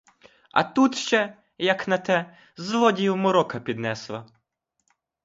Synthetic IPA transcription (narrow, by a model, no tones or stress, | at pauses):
ɐ̰t̪ut̪ʃt͡ʃɛ | jɐknɐt̪ɛ | zʋˠɔdʲiwmɔɾɔkɐpʲid̪nɛslˠɐ